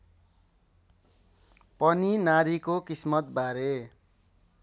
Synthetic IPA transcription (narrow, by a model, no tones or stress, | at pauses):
pʌninaɾikokismʌt̪̚baɾe